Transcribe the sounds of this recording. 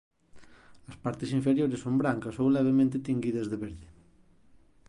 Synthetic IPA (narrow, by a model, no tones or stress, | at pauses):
ɐspaɾt̪ɪsiɱfeɾjoɾɪsːombɾaŋkɐsowlɛβemẽnt̪ɪt̪iŋɡiðɐzðeβeɾðɪ